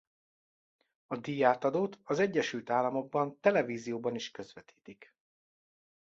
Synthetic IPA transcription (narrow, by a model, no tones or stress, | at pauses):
ɒd̪ijaːt̪ɒd̪oːt̪ɒzɛɟːɛʃylt̪aːlːɒmo̞ɡ̚bɒnt̪ɛlɛviːzijoːbɒniʃkø̞zʋɛt̪ʰi̥ːt̪ik